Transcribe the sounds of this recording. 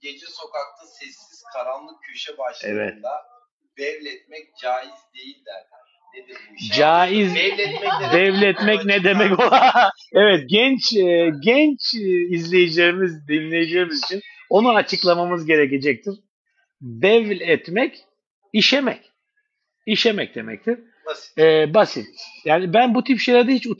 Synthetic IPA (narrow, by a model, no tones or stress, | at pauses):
ɟ̥e̞d͡ʒɛso̞kak̚t̪ʰasɛsːiz̥kʰaɾanlˠɯkʰøʃɛbaʃɛ̰vɛ̰t̪d̪a | b̪̥ɛvlʲɛt̪̚mɛc̚d͡ʒaːjizd̪e̞jilʲd̪æɾ | d͡ʒaːiz | d̪ɛvlʲɛt̪mɛcnɛd̪emɛco̞lˠa | ɛvɛt̪̚ɟɛnt͡ʃːɟɛnt͡ʃizlʲe̞jed͡ʒejimizd̪inlʲejed͡ʒejmizit͡ʃʰino̞nuat͡ʃʰɯklˠamamɯzɟe̞ɾece̞d͡ʒɛc̚t̪ʰiɾ̥ | d̪ɛvlʲɛt̪mɛc | iʃɛmɛc | iʃɛmɛc̚d̪e̞̰mɛ̰c̚t̪ʰiɾ̥ | ɛːbasit̪jaːnibænbut̪ʰipʃejlʲaɾd̪ɛhit͡ʃu